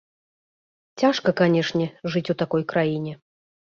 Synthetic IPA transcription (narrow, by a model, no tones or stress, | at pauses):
t͡sʲaʂkɐkanʲɛʂnʲɛʐɨt͡sʲut̪akɔjkɾajinʲɛ